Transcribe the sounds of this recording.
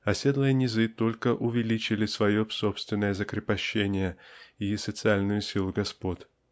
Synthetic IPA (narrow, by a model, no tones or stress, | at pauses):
ɐsʲe̞d̪lˠəjənʲɪzɨt̪o̞lʲkəʔʊvʲɪlʲit͡ɕɪlʲɪsvɐjo̞pso̞pst̪vʲɪnːəjəzəkɾʲɪpɐɕːenʲɪjəisət̪sɨalʲnʊjʊsʲilˠʊɡɐspo̞t̪ʲ